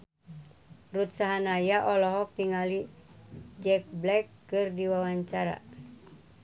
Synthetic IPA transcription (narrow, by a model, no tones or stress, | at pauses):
rut̪saɦanajaʔɔlɔɦɔk̚piŋali | d͡ʒɛk̚blɛkːɨrdiwawaɲt͡ʃaɾa̰